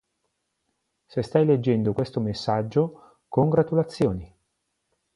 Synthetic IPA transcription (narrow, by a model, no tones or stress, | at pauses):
sest̪ajled͡ʒːɛnd̪okwest̪omesːad͡ʒːo | koŋɡɾat̪ulat̪sːjoːni